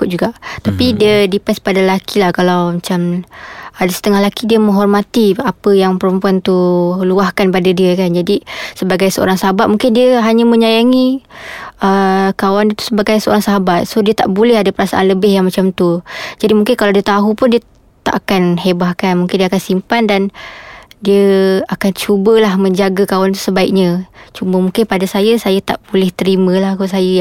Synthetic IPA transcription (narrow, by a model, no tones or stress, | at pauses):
ʊt̪̚d͡ʒuɡaʔt̪apidiədipaspadalakʰilahkalawmat͡ʃam | adasə̥t̪əŋahlakidiəmə̃ŋɦɔrmat̪iapəjaŋpəɾəmpuant̪uluahkanpadadiəkand͡ʒadisəbaɡajsəo̰ɾaŋsaɦabat̪̚muŋkɪndiəɦaɲamə̃ɲajaŋi | ʔəkawandiət̪u̥səbaɡajsəo̰ɾaŋsəɦabat̪̚sohdiət̪aʔbulɛhadapəɾasa̰ʔanləbɪhjaŋmat͡ʃamt̪ud͡ʒadimuŋkɪnkalawdiət̪aɦupʊndiə | t̪a̰ʔakanɦebahkanmuŋkɪndiakansimpandan | diəakant͡ʃubəlahmə̃ɲd͡ʒaɡakawant̪u̥səbaik̚ɲət͡ʃuməmuŋkɪnpadasajəsajat̪a̰ʔb̥ulɛht̪əɾimə̃lahkos̬ajə